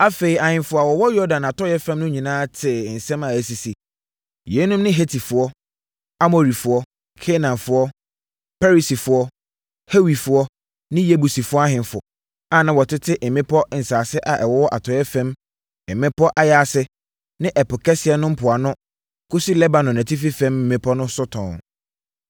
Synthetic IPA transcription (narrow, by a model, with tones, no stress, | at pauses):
a˦fe˨i˨a˨hɪ̃˨nfʊ˨a˨wɔ˨wɔ˦jɔ˦dã˨na˨tʰɔ˦jɛ˦fɛ̃˦mnʊ̃˦ɲĩ˨nãː˦tʰɪ˨n̩˨sɛ̃˦mã˨æ˨si˨si˨ | je˨˦nũ˦mnɪ̃˦ɦe˦tʰi˨fʊ˨ɔ˦ | a˦mo˨ɾi˨fʊ˨ɔ˦ | kʰe˦nã˨nfʊ˨ɔ˦ | pʰɛ˦ɾi˨si˨fʊ˨˦ɔ˦ | he˦wi˨fʊ˨ɔ˦ | nɪ̃˦je˦bu˨si˨fʊ˦ɔ˦a˦hɪ̃˨nfʊ˨ɔ˨ | ã˨nã˨wɔ˨tʰɪ˦tʰɪ˦ʔm̩˨mɪ̃˦pʰɔ˦ʔn̩˨saː˨sɪ˦ʔa˨ʔɛ˨wɔ˦wɔ˦ʔa˨tʰɔ˨˦ɛ˦fɛ̃˦m̩˨ | mɪ̃˦pɔ˦ʔa˦ja˦˨a˨sɪ˦ | nɪ̃˦ʔɛ˨pʊ˨kʰɛ˦sɪ˨˦ɛ˨˦nʊ̃˦m̩˦pʰʊ˨a˨nʊ̃˦ | kʊ˦si˦lɛ˦bã˨nɔ̃˨næ̃˨tʰi˦fi˦fɛ̃˦mm̩ː˨ɪ̃˦pʰɔ˦nʊ̃˦sʊ˦tʰɔ̃˨